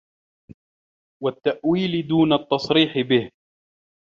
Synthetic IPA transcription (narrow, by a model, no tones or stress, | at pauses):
wat̪ːaʔwiːlɪd̪uːnat̪ːɑsˤɾiːħɪbɪh